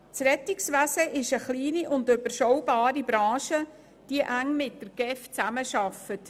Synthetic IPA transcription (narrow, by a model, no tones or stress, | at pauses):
t͡srɛtɪksʋæsəʔɪʃəχliːniʔʊndøbəɾʃɔwbɑːɾibɾɑ̃ːʃə | d̥iəʔæŋmɪt̚d̥əɡ̥ɛft͡sæməʃɑfət